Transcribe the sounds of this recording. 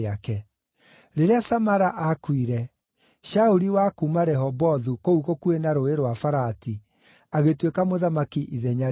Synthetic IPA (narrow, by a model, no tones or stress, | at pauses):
akɛ | ɾeɾeasamaɾaʔakwiɾɛ | ʃauɾiwakumaɾɛɦɔbɔðukouɣokuenaɾoeɾwafaɾati | aɣetwekamoðamakiʔiðɛɲa